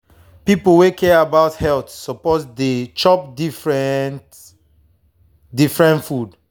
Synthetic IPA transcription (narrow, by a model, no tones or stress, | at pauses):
pipowekʰɛabaʊthɛltsɔpɔtdet͡ʃɔp̚difɹɛnt | difɹɛ̃ntfud